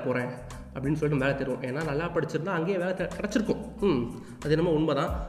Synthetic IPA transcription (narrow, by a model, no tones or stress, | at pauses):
poːɾẽː | ɐpːɐɽɪnːɯsɔliʈ̬ːnːʋeːlɛt̪ɛɾʋʊ̃ʔeːnːaːnɐlːaːpɐɽɪt͡ʃːɪɾɯnd̪ãːɐŋɡeːʋeːlɛk̪ɪɽɐt͡ʃːɪɾɯkːʊ̃ | ɐðɯɛnːɐmːaːʊɳbɐt̪ãː